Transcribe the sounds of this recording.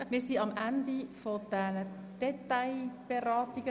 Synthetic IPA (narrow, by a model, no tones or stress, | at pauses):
mɪːɾsiɑmʔænd̪ifod̪̥ɛnə | d̪̥ɛt̪ːaɪb̥eɾɑːt̪iɡ̥ə